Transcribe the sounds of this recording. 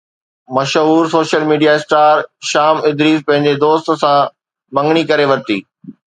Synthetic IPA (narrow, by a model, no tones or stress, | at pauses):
mɐʃɦuːɾsoːʃəlmiːɖijaɪsʈaːɾʃaːmɪd̪ɾiːzpɐ̃ɦɪ̃ɲ̆d͡ʑed̪oːst̪sã | mɐ̃ŋɡɽ̃ikɐɾeʋɐɾt̪ḭː